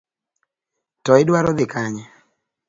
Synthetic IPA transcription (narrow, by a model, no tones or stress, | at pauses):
tɔɪdwaɾɔd̪ɪkaɲɛ